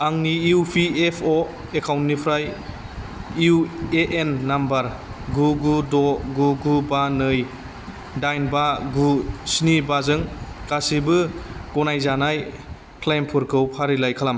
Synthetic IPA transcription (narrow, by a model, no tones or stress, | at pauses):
aŋniupʰiepʰo | ekʰawntnipʰɾaj | ueʔenːambaɾ | ɡuɡudɔɡuɡubanɯj | dajnbaɡusnibazɯŋkasibɯɡɔnajzanaj | kʰlajmpʰɯɾkʰɯwpʰaɾilajkʰalam